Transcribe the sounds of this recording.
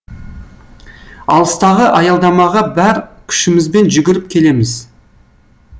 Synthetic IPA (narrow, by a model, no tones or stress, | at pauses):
ɑ̰lˠəst̪ɑʁəʔɑjɑlˠd̪ɑmɑʁɑbæɾkʲʰʏ̥ʃɪmɪzbe̞nʒʏɡʲɪɾɪp̚kʲʰe̞le̞mɪz